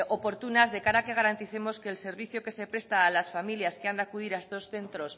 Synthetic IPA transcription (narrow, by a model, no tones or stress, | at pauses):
o̞po̞ɾt̪unazðe̞kaɾake̞ɣ̞aɾant̪iθe̞mo̞ske̞ːlse̞ɾβ̞iθjoke̞se̞pɾe̞st̪aːlasfamiljaskeand̪eakuð̞iɾaest̪o̞sθe̞nt̪ɾo̞s